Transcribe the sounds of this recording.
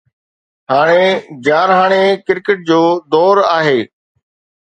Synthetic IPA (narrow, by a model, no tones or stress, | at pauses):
ɦaːɽ̃ed͡ʑaːɾɦaːɽ̃ekɪɾkəʈ̚d͡ʑoːd̪ɔːɾaːɦeː